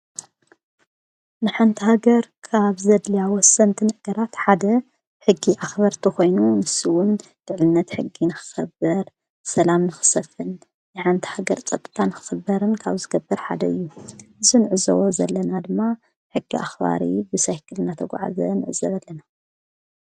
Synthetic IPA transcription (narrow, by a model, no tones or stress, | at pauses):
nɨħant̪ʰihaɡɐɾkʰaβzɐd̪lijawɔsːɐnt̪ʰɨnɨɡ̥ɐɾat̪ħad̪ɐ | ħɨɡːiʔaxbaɾt̪ʰɨxo̞jnunɨsiwʊn | lɨʕlɨnːɐt̪ħɨɡːinɨxɨ̥xɐbɐɾ | sɐlamnɨxɨ̥sɐfɨn | nɨħant̪ʰi̥haɡɐɾt͡sʼɐt̪ʼːɨ̥t̪ʰanɨxɨ̥xɐbːɐɾɨnkʰaβzɨɡɐbːɐɾħa̰d̪ɐɨjːuɨzinɨʕɨzɐ̰wozɐ̰lːɐnad̪ɨmːa | ħɨɡːiʔaxba̰ɾḭbɨsajkʰɨlnat̪ʰɐɡʷa̰ʕa̰zɐ̰nɨʕɨzɐβɐlːɐna